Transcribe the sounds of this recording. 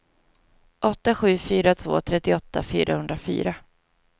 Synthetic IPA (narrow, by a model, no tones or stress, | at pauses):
ʔɔt̪ːaɧʉ̟ːfyːɾat̪ʰvo̰ːt̪ʰɾɛt̪ːɪɔt̪ːa̰fy̰ːɾʔahɵnd̪ɾafy̰ːɾa